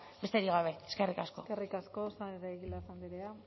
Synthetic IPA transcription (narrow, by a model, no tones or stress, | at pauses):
best̪e̞ɾiɣaβ̞e̞eske̞rikasko̞erikaskosaeɾajɣilaisand̪iɾea